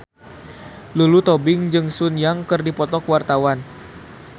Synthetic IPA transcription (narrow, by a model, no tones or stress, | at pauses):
lulut̪ɔbɪŋd͡ʒɨŋsunjaŋkɨrdipɔt̪ɔkwart̪awan